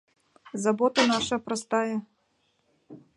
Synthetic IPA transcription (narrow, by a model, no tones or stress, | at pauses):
zabɔt̪ɐnaʂɐpɾɐst̪ajɐ